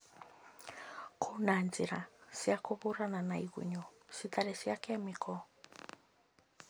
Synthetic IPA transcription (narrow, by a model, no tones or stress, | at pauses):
kʰonaːnziɾasiakoβoɾananaiɣṵɲɔsit̪aɾɛsiakɛmikʰɔ